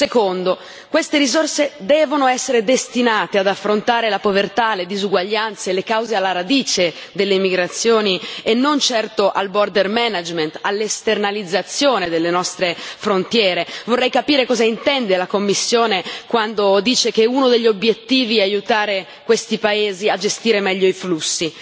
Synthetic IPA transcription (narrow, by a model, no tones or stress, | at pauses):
sekond̪o | kwest̪eɾizorsed̪ɛːvonoɛsːeɾed̪est̪inaːt̪ead̪afːɾont̪aːɾelapovert̪aled̪izuɡwaʎːant̪selekawzealːaɾad̪iːt͡ʃe | d̪elːeimːiɡɾat̪sːjoːnienːont͡ʃɛrt̪oʔalbord̪ermɛnad͡ʒment̪alːest̪ernalid̪zːat̪sːjoːned̪elːenɔst̪ɾefɾont̪jɛːɾevorːɛjkapiːɾekɔːzaint̪ɛnd̪elakomːisːjoːnekwand̪od̪iːt͡ʃekeunod̪eʎːiobjet̪ːiːviɛajut̪aːɾe | kwest̪ipaeːziad͡ʒest̪iːɾemɛʎːoiflusːi